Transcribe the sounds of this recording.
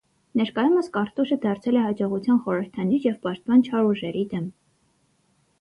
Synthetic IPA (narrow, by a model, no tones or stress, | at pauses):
nɛɾkɑjuməskɑɾt̪uʃəd̪ɑɾt͡sʰɛlɛhɑd͡ʒɔʁut͡sʰjɑnχɔɾəɾt̪ʰɑnjuʃjɛvpɑʃt̪̚pɑnt͡ʃʰɑɾuʒɛɾid̪ɛm